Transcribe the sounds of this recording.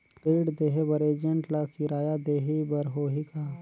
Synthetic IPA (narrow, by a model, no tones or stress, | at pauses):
keːɽd̪eːɦebɐɾeːd͡ʒə̃ɳʈlakiɾaːjad̪eːɦibɐɾɦoːɦikaː